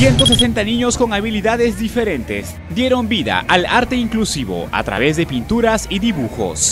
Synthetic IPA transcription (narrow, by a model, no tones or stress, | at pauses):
sje̞nt̪o̞se̞se̞nt̪anĩɲo̞sko̞ŋaβiliðaðe̞zðife̞ɾe̞nt̪e̞̰s | d̪je̞ɾo̞mbiða̰ʔalaɾt̪e̞iŋklusiβo̞̰a̰t̪ɾa̰βe̞zðe̞pint̪uɾasiðiβuxo̰s